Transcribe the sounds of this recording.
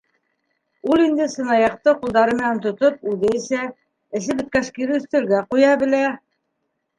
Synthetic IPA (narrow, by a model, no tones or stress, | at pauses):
ulˠind̪ɘsɤ̆nɑjɑq̚t̪ɤqulˠd̪ɑɾɤmɘ̆nænt̪ŏt̪op̚ʉðɘsæ | ɘ̆sɘbɘ̆t̪̚kæʃkiɾɘɵ̆θt̪ɘ̆ɾɡæqujɑbɘ̆læ